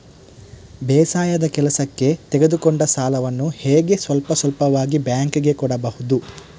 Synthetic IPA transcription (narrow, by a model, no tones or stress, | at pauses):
bɛːsaːjɐd̪ɐkɛlɐsɐkːe̞t̪eɡed̪ukɔɳɖɐsaːlɐʋɐnːuheːɡe̞sʋɐlpɐsɐlpɐʋaːɡibjaːŋkɡe̞kɔɽɐbɐhud̪u